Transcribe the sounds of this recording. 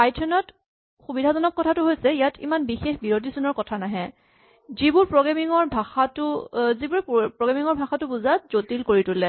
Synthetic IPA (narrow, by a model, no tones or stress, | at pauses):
pajtʰɔnɔt | xubidʱazɔnɔkːɔtʰatʊɦojsɛijatʰḭmanbixexbiɹot̬isunɔɹkɔtʰanaɦɛ̃ | zibuɹpɹɔɡamiŋɔɹbʱaxatʊzibuɹɛpɹɔɡɹamiŋɔɹbʱaxatʊbuzatzotilkoɹitulɛ